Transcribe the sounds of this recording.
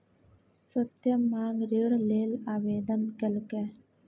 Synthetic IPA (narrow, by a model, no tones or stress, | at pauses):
sɐt̪jɐmːaːŋɡɾeɽleːlaːʋeːd̪ɐnkɐlke